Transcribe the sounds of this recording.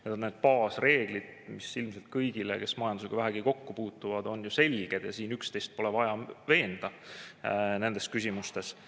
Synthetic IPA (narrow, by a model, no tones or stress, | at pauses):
ned̪onneːd̪̥̚pɑːsre̞ːɡ̥lid̪̥ | misilmse̞lt̪̚kɤjɡ̥ilḛke̞smɑjɑnd̪useɡɑvæɦæɡ̥iko̞kːupuːt̪ːˑuvɑd̪̥o̞njuse̞lʲɡ̥e̞d̪jɑ̰siːnykst̪ejst̪̚po̞levɑjɑve̞ːnd̪̥ɑ | ne̞nd̪e̞skysʲimust̪e̞s